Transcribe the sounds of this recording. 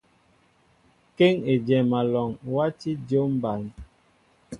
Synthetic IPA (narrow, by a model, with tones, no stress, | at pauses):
ke˦ŋe˨d͡ʒɛ˨ma˨lɔ˨ŋwa˦ti˦d͡ʒo˦m̩˦ba˨n˨